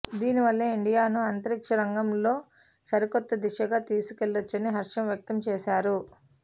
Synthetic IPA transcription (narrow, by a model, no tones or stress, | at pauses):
d̪iːniʋɐlːɐiɳɖijaːnuɐnt̪ɐɾikʂɐɾɐŋɡɐmlo̞ː | sɐɾikɔt̪ːɐd̪iʃɐɡaːt̪iːsukelːɐt͡ʃːɐniɦɐɾʂɐmjɐk̚t̪ɐmt͡ʃɛːʃaːɾu